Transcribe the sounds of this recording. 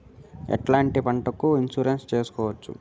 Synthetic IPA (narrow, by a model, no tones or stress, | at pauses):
ɐ̰ʈlaːɳʈipɐɳʈɐkuinsuɾenst͡ʃeːsu̥kɔːʋɐt͡ʃːṵ